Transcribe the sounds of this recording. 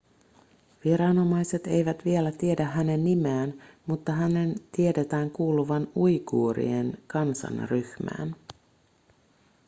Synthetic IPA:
ʋiɾɑno̞mɑjse̞t̪e̞jʋæt̪ʋie̞læt̪ie̞dæɦæne̞nːimæːnmut̪ːɑɦæne̞nt̪ie̞de̞t̪æːŋkuːluʋɑnujkṵːɾḭenkɑnsɑ̰nryhmæ̰ːn

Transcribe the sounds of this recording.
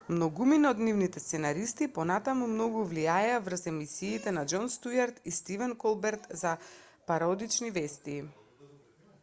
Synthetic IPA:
mnɔɡuminɔd̪nivnit̪ɛst̪sɛnaɾist̪ipɔnat̪amumnɔɡuvliaɛavr̩sɛmisiːt̪ɛnad͡ʒɔnst̪ujaɾt̪ist̪ivɛnkɔlˠbɛɾt̪zapaɾɔd̪it͡ʃnivɛst̪iː

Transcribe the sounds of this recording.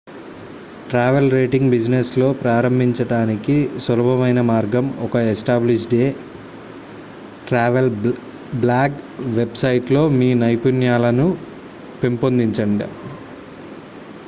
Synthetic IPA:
ʈɾaːʋelɾeːʈiŋɡbid͡ʒneslo̞ːpɾaːɾɐmbʱiɲt͡ʃɐɽaːnikisʋɐlɐbɐmɐjnɐmaːɾɡɐmɔkɐesʈaːbliʃɖeː | ʈɾaːʋel | blaːɡʋe̞bsɐjʈlo̞ːmiːnɐjpunjaːlɐnu | pempond̪iɲt͡ʃɐɳɖḭ

